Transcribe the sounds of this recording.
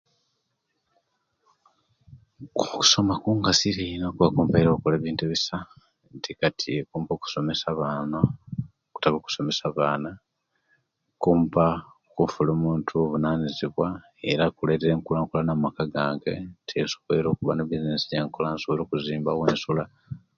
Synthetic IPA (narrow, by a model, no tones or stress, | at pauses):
kuku̥so̞makuːŋɡasiɾinokuβakuːmpaiɾokuleːβiːntuβisa | ntikatʰiekuːmpoku̥so̞me̞saβana | ku̥taβoku̥so̞me̞saβaːna | kuːmpa | kufuloːmuːntʰuoβunaːniziβwa | e̞̰ɾakuleteɾeːŋkulaːŋkulanamakaɡaːŋɡe̞̰ntʰesu̥keɾo̞ːkuβanobizinesijeːŋkolansoβiɾokuziːmbaweːnsula